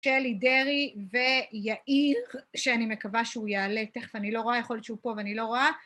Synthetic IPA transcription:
ʃelide̞ʁive̞jaʔiʁʃeanime̞kavaʃeujaːleteχvanilo̞ʁoajeχoljott͡ʃʃeupo̞veanilo̞ʁoa

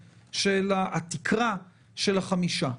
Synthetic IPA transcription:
ʃelaːt̪ikʰʁa | ʃe̞laχamiʃa

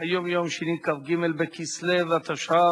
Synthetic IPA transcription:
ajomjomʃenikafɡimelbekislevat̪aʃa

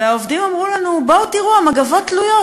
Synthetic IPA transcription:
eaovd̪imamʁulanuboutiʁuamaɡavo̞ttːlujo̞

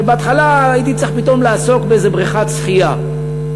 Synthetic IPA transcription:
beat̪χalajit̪itt͡sʁiχpit̪o̞mlaːso̞kbeezebʁiχat͡sχija

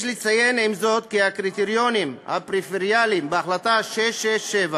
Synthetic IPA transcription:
ʃlit͡saje̞nimzo̞t̪̚kihakʁit̪eʁjo̞nimha̰pʁifeʁjalimbeaχlat̪aʃeʃeʃeva

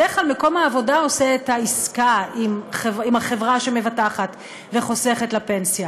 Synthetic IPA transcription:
eχalmeko̞maːvo̞dao̞seːtaiskaimχevimaχe̞vʁaʃemevataχat | veχo̞seχetlape̞nsja

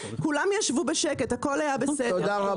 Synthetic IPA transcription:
kulamjaʃvubeʃeke̞thako̞lajabeseod̪aa

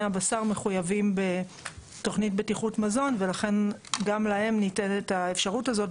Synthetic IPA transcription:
abasaʁme̞χujavimbe̞ | to̞χnitbetiχutmazo̞nve̞laχe̞nɡamlahe̞mnite̞netae̞fʃaʁutazo̞t

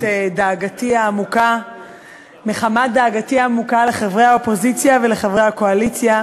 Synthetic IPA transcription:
edaːɡatiaːmuka | meχamad̪aːɡatiaːmukaleχavʁehaopo̞zit͡sjave̞le̞χavʁejhakoalit͡sja

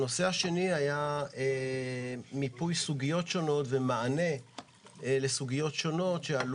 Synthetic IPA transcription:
no̞seaʃe̞niajae | mipujsuɡijo̞tʃo̞no̞tvemaane̞ | le̞suɡijo̞tʃo̞no̞tʃeal

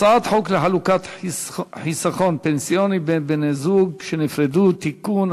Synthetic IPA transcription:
aat̪ħokleħalukat̪ | ħisaχo̞npensijonibebenezuɡʃenifɾed̪ut̪ikun

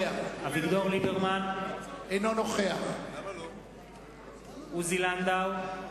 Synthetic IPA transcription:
aabiɡd̪oʁlibeʁmanejnonoχeaχ | uziland̪aw

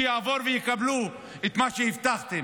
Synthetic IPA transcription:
jaːvo̞ɾvejekablu | et̪maʃehift̪aχt̪em

